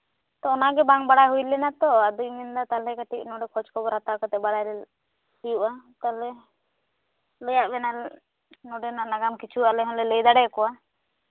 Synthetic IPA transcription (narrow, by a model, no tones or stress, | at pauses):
t̪ɔɔnaɡɛbaŋbaɽajɦujlɛnat̪ɔad̪ujmind̪at̪alɛkaʈiʔ̚nɔɖɛkʰɔt͡ʃkɔbɔɾat̪akɔt̪ɛbaɽajlɛ | ijuʔat̪alɛ | ləjaʔbɛnal | nɔɖɛnanaɡamkit͡ʃʰuʔalɛɦɔnlɛləjd̪aɽɛkɔa